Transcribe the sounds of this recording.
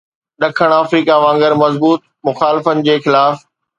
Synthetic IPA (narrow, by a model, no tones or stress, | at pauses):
ɗɐkʰəɽ̃aːfɾiːkaʋãːŋɡəɾmɐzbuːt̪̚mʊxaːlɪfənɪ̆d͡ʑeːxɪlaːf